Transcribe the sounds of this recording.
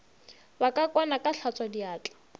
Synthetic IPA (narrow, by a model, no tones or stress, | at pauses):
bakʼakʼwanakʼaɬʰat͡sʼadiaːt͡ɬʼḁ